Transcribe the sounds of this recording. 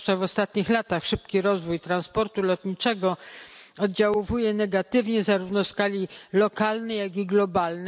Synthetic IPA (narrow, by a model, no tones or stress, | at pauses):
t͡ʂavɔst̪at̪ɲixlat̪axʂɘpkʲiɾɔzvujt̪ɾanspɔɾt̪ulɔt̪ɲit͡ʂɛɡɔɔd̪̚d͡ʑawɔvujɛnɛɡat̪ɘvɲɛzaɾuvnɔskalʲilɔkalnɛjaɡiɡlɔbalnɛ